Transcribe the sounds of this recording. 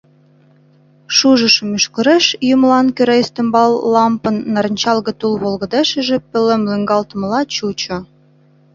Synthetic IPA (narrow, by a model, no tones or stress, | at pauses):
ʃuʒə̆ʃmyʃkə̆ɾeʃjumlɑnkøɾejst̪ə̆mbɑlːɑmpə̆nːɑɾnʲt͡ɕɑlɣə̆t̪ulβolɣə̆d̪eʃə̆ʒĕpɘ̆lemlyŋɡɑlt̪əmlɑt͡ɕut͡ɕŏ